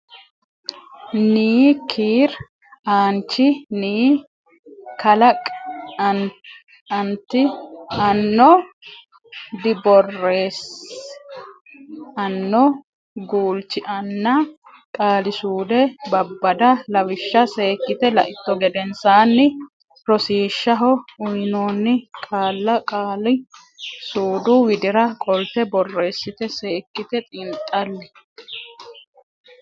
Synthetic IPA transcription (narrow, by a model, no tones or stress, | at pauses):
niːkʰiːɾ | aːnt͡ʃːɪniː | kɐlɐkʼɐn | ɐnt̪ːɪɐnːɔ | d̪ɪbɔrːeːs | ɐnːɔ | ɡuːlt͡ʃːɪʔɐnːɐ | kʼaːlɪsuːd̪ɛbɐbːɐd̪ɐlɐwɪʃːɐse̞ːkːɪt̪ɛlɐ̰ʔɪt̪ːɔɡɛd̪ɛnsaːnːɪ | ɾɔsiːʃːɐɦɔʊjnoːnːɪkʼaːlːɐkʼaːlɪ | suːd̪ʊwɪd̪ɪɾɐkʼɔlt̪ɛbɔrːe̞ːsːɪt̪ɛse̞ːkːɪt̪ɛt̪ʼɪnt̪ʼːɐlːɛ